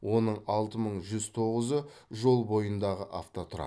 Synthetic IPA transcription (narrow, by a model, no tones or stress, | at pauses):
wʔo̞nəɴɑlˠt̪əməɴʒʏzt̪ʰo̞ʁəzəʒo̞lˠbo̞jənd̪ɑʁəʔaft̪ot̪ʰʊɾɑ̰